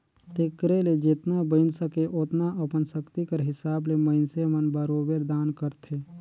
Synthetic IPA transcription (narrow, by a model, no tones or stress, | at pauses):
t̪ekɾeled͡ʒɪt̪nabəɪnsəkeʔoːt̪naʔəpənsəkt̪ikəɾɦɪsaːbleməɪnsemənbəɾoːbeɾd̪aːnkəɾt̪ʰeː